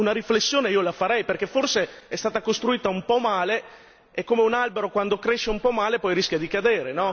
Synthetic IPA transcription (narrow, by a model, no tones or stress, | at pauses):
unaɾiflesːjoːneiːolafaɾɛjperk̟eforseɛst̪aːt̪akost̪ɾuiːt̪aumpɔmaːle | ekːomeunalbeɾokwand̪okɾeʃːeumpɔmaːlepɔjɾiskʲjad̪ikad̪eːɾenɔ